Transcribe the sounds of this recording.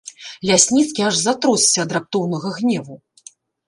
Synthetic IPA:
lʲasʲnʲit̪skʲiaʐzat̪ɾɔsːʲɐːd̪ɾap̚t̪ɔwnɐɣɐɣnʲɛvu

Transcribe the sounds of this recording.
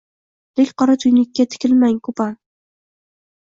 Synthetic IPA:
d̪̥ekʲqʰɒɾat̪ʰʊjnɪkʲːat̪ʰɪ̥kʲɪlmaŋkʰʊpan

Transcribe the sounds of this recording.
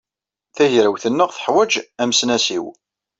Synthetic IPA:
θæʝɾəwθənːəʁθə̥ħwæd͡ʒæmsnæsḭw

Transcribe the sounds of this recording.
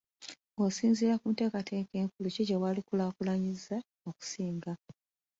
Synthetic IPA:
osiːnziɾakuːnte̞ːkatʰeːke̞ːŋkuluceɟewaːlikulaːkulaɲiza | oku̥siːŋɡa

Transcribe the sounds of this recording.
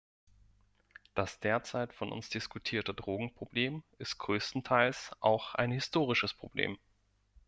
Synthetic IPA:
d̥asd̥eːɐt͡saɪtfɔnʔʊ̰nsd̥ɪskutʰiːɐtədʁoːɡŋ̩pʁ̥obleːmɪst̚ɡ̥ʁøːstn̩tʰaɪlsʔa̰ʊxa̰ɪnhɪstʰoːʁ̞ɪʃəspʁ̥ob̥lḛːm

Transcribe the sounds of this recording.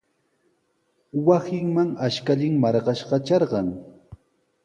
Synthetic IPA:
wasɪŋmaŋaʃkaʎɪŋmɑɾɢɑʃɢɑt͡ʃɑɾɢɑŋ

